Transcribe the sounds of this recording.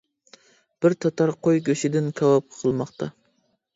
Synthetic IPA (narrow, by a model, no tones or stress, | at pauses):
b̥ɪɾt̪ʰɑt̪ʰɑɾqʰojɡʲøʃɪd̪ɪnkʲʰɑwɑp̚qʰəlˠmɑqt̪ʰɑ